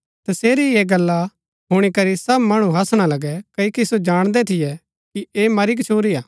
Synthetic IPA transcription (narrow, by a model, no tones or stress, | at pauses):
t̪ɐseːɾieːɡɐlːa | ɦʊɽ̃ikɐɾisɐbmɐɽ̃ũɦɐsɽ̃alɐɡɛkɐikisod͡ʒaːɽ̃d̪ɛt̪ʰɪjɛ | kieːmɐɾik̬t͡ʃʰoːɾiaː